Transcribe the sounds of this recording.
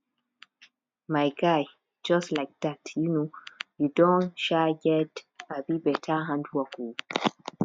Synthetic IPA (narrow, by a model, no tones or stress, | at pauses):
maɪɡaj | d͡ʒʌstlaɪk̚datjunojudɔ̃nʃaɡɛtabibɛtʰaɦãnduaku